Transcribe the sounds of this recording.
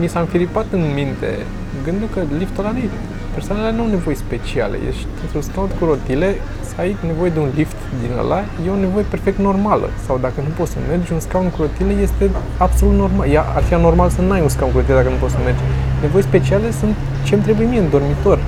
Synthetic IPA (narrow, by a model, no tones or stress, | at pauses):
nisamfilipat̪ɨnmint̪e̞̰ | ɨŋɡɨnd̪ukəlift̪olanij | persoanelenuawne̞vo̞jespe̞t͡ʃia̰lḛjḛʃi̥t̪ɨnt̪ɾunskawnkuɾo̞t̪ile̞ | səajne̞vo̞je̞d̪eunlift̪d̪inə̰la | jeo̞ne̞vo̞je̞pe̞rfe̞k̚t̪no̞rmalə̰sawd̪akənupo̞t̪səme̞rd͡ʒʲunskawd̪kuɾot̪ileje̞st̪e̞ | ab̥so̞lut̪no̞rmaljaʔa̰rfiano̞rmalsənuajunskawn̚kuɾo̞t̪iled̪akənupot̪səme̞rd͡ʒne̞vo̞jespe̞t͡ʃiale̞sunt̪ | t͡ʃemt̪ɾebuje̞mijeɨnd̪o̞rmit̪o̞rʲ